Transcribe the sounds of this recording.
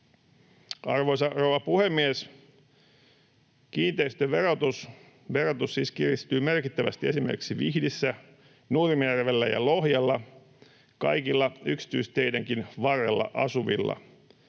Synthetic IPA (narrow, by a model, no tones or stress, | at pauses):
ɑrʋo̞jsɑroːʋɑpuhemːies | kiːnt̪eist̪øʋe̞ɾot̪us | ʋe̞ɾo̞t̪usːiskirist̪yːme̞rkit̪ːæʋæ̰st̪ie̞simerkiksiʋihdisːæ | nuːrimærʋelːæjɑ̰lohjɑlːɑ | kɑjkilːɑyksi̥t̪yist̪e̞jdæŋkinʋɑrːelːɑ̰ʔɑsuʋḭlːɑ̰